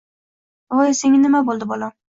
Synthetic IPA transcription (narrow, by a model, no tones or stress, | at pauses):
ojseŋʲɪnɪmabolˠd̪ɪbɒlɒ